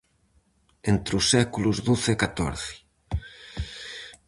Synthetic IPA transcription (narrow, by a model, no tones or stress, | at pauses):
ent̪ɾusːɛkuluzðuθkat̪o̰ɾθɪ̥